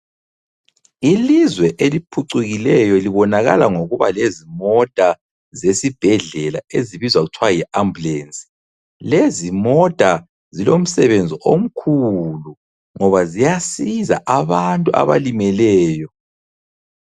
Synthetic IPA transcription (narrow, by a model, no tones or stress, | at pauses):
ilizwɛʔelipʰuǀuɣilɛjɔliβɔnaɣa̰laŋoɣuβa̰lezimɔd̥ʼʱa | zesib̥ʱɛɮɛla̰eziβizwaɣutʰwajiambulensʼi̥ | lezimɔd̥ʼa | zilom̩sɛβend͡zʱiʔom̩kʰulu | ŋɔβazijasiza̰ʔaβantʼuʔa̰βa̰limɛlɛːjɔ